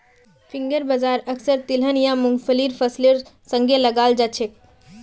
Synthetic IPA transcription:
fʰĩŋɡəɾbəzaːɾəksəɾt̪ilɦənjãmuŋɡfəliɾpʰəsleɾsə̃ŋɡeləɡaːld͡ʒat͡ʃʰek̚

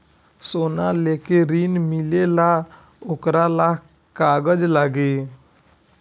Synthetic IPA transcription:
sonalekeɾinmilela | okɾalak | kaɡəd͡ʒlaɡe

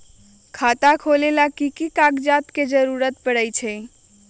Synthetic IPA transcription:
kʰat̪akʰolelakikikaɡd͡ʒat̪ked͡ʒəɾuɾət̪̚pəɽəjt͡ʃʰɛ

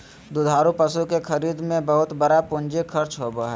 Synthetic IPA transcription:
d̪ʊd̪ʱaːɾupəsukekʰəɾiːd̪mẽbəɦʊt̪bəɾapʊ̃nd͡ʒekʰɐɾt͡ʃɦobəɦɛ

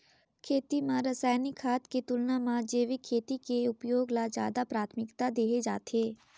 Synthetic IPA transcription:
kʰeːt̪imãɾəsaːjnɪkʰːaːt̪ket̪ʊlnãmãd͡ʒeːʋikʰeːt̪ikeʊpjoːɡlad͡ʒja̰ːd̪apɾaːt̪ʰmɪkt̪ad̪eːɦed͡ʒa̰ːt̪eː

